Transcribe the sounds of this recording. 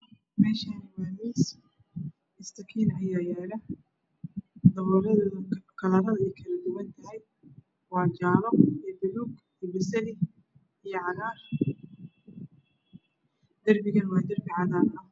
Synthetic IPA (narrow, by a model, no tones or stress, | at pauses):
mɛːʃanɪmaːmiːs | ɪst̪ʰɐkʰiːnɐjaːjɛːlɐ | d̪ɐβɔːɾɐðkʰɐlɐɾɐðɐɛjkʰɐlɐd̪ʊwɐnt̪ʰɐɦɛj | wɑːt͡ʃaːlɔijb̪ʊluːɡ | bɪsɐlɪ | ijɔʕɑnaːr | d̪̥ɐrbɪɣɐnwɑːd̪ɐrbɪʕɑnaːɾɐɐ